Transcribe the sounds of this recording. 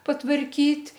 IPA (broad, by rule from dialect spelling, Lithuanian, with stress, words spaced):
pɐtʋɐrʲˈkʲiːtʲ